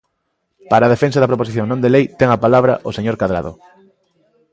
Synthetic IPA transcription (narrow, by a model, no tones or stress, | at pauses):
paɾað̞efensaðɐpɾoposiθjoŋnõnd̪elejt̪ɛŋapalaβɾaʔoseɲoɾkaðɾa̰ð̞o̰